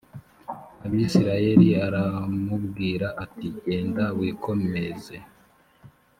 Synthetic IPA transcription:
aβisiɾaje̞ɾiaɾamubɡiːɾaʔatiɟe̞ːndawiːkʰo̞me̞ze̞

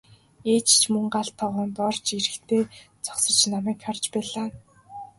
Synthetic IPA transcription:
eːt͡ɕt͡ɕʰmɵŋɢaɬt̪ʰːɔʁɔːnt̪ɔrt͡ɕiɾɘ̆kt̪ʰeːt͡sʰɔ̥ksɞ̆t͡ɕnamæːkχart͡ɕpæːɮaː

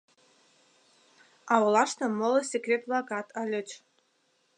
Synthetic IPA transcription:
ɑwlˠɑʂt̪ɤ̆mŏlˠɤ̆sʲekrʲet̪̚blˠɑkɑt̪ʰɑlʲɘ̆t͡ɕ

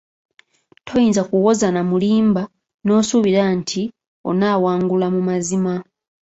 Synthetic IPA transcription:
tʰo̞jiːnzakuwo̞zanamuliːmba | no̞ːsuβiɾantʰi | o̞̰naːwaːŋɡulamumazima

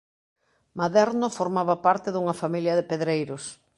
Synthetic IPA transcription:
maðɛɾnʊfoɾmaβɐpaɾt̪ɪðuŋɐfamiljɐðepeðɾejɾʊs

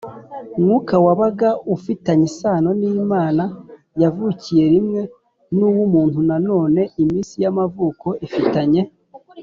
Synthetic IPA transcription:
mŋuːkawaβaɡaufitaɲisaːno̞nijimaːna | javucije̞ɾimŋe̞ | nuwumuːnthunano̞ːne̞ʔimiːnsijamavuːko̞ʔifitaɲe̞

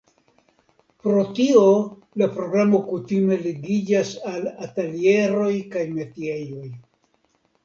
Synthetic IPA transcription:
pɾo̞tio̞ | lapɾo̞ɡɾamo̞kutime̞liɡid͡ʒasalatelie̞ɾo̞jkajme̞tie̞jo̞j

